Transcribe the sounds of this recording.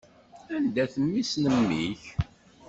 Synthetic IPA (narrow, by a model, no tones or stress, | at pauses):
ænd̪æθəmːisnəmːiç